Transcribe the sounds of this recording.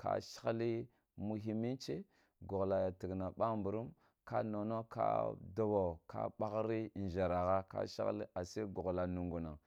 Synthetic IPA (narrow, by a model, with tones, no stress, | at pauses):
ka̰˨ʃi̥˦li˦ | mu˨ɦi˨mi˦nt͡ʃe˦ | ɡo˨ɣla˨ja˨ti˨ɡna˨ɓa˦mbu˨ɾu˦m | ka̰˦no˨no˦ka̰˦do˦wo˨ka̰˦ɓa˦ɣɾi˦˨n˨ʒa˨ɾa˨ɣa˦ka̰˦ʃḭ˦lḭ˦ʔa˨se˦ɡu˨ɣla˨nu˨ŋɡu˨na˨ŋ